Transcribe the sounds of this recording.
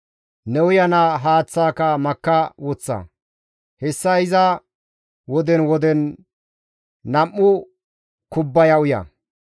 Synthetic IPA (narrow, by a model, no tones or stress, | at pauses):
nɛwʊjɐnaɦaːt͡sːaːkɐmɐkːɐwɔt͡sːɐ̰ | hɛsːɐɪzɐ | wɔd̪ɛnwɔd̪ɛn | ɐmːʊ | kʊbːɐjɐʊjɐ̰